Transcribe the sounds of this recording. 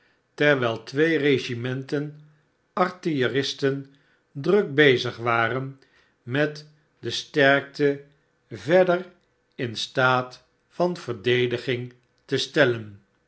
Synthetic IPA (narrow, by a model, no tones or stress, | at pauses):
tɛɹʋɛlˠtʋejreʒimɛntən | ɑɹtijərɪstən | drɵk̚bejzəχʋaːrən | mɛt | dəstɛɹk̚tə | vɛdər | ɪnstaːt | fɑnv̥əɹdejdəχɪŋ | təstɛlən